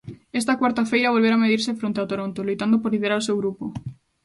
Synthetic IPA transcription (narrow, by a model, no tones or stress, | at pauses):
ɛst̪akwaɾt̪afejɾaβ̞olβeɾameðiɾsefɾõnt̪eawt̪oɾont̪olujt̪and̪opoɾliðeɾaɾosewɣɾupo